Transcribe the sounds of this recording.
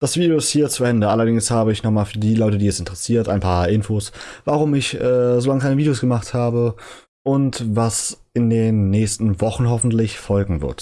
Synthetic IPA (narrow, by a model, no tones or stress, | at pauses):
d̥asv̥iːdeoɪsthiːɐt͡suʔɛndəʔalɐdɪŋshaːbəɪçnɔχmaːlfyːɐdiːlɔʏtədiːɛsɪntəʁɛsiːɐtʔaɪnpʰaːɐʔɪnfoːsvaʁ̞ʊmɪçʔɛːzolaŋəkʰaɪnəviːdejoːsɡ̥əmaχthaːbə | ʔʊntvasʔɪndeːnːɛːçstn̩vɔχn̩ɦɔfn̩tlɪçfɔlɡŋ̩vɪ̰ɐt